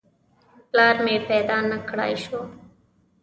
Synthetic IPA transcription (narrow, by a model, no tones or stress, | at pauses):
plaːɾmẽːpɛːd̪aːnːəkʰəɽa̰ːiːʃoː